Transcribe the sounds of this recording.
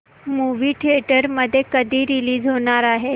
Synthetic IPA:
muʋiːʈʰieʈəɾməd̪ʱːjekəd̪ʱiːɾiliːd͡zɦoɽ̃aɾaɦe

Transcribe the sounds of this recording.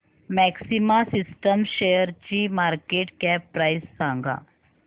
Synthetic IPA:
mɛːksimasɪsʈəmʃejəɾt͡ɕimaːɾkeːʈkɛppɾajsːãŋɡa̰ː

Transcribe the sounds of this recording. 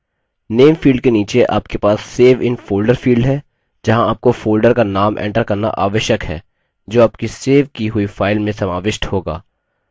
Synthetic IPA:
neːmfiːlɖ̚keniːt͡ʃeʔa̰ːpkepaːsːeːʋɪnfoːlɖəɾfiːlɖɦɛː | d͡ʒɐɦãaːp̚kofoːlɖəɾkanaːmʔɛ̰̃ːɳʈəɾkɐɾna̰ʔaːʋəʃjəkɦɛ̰ː | d͡ʒoːaːp̚kiseːʋkiɦʊifaːɪlmẽsɐmaːʋɪʃʈhoːɡa̰ː

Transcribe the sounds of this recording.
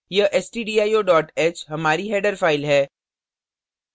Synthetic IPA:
jeʔɛsʈiːɖiːaːjoːɖɔːʈeːt͡ʃɦɐmaːɾiɦɛːɖəɾfaːɪlɦɛː

